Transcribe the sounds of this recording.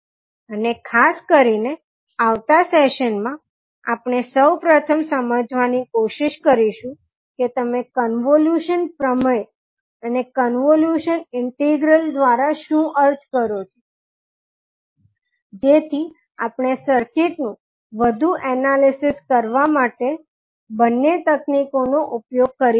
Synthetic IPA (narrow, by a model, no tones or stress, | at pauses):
ənekʰaskəɾine | aʋt̪aseʃənmã | apɳ̃esəwpɾət̪ʰəmsəməd͡ʒʋanikoʃiʃkəɾiʃũ | ket̪əmekənʋoljuʃənpɾəməe | ənekənʋoljuʃənɪɳʈiɡɾəld̪ʋaɾaʃũʔəɾd͡ʒkəɾot͡ʃʰo | d͡ʒet̪ʰi | apɳ̃esəɾkɪʈnũ | ʋəd̪ʱuʔɛnalisɪskəɾʋamaʈe | bənːet̪əknikonoʔʊpjoɡ̚kəɾi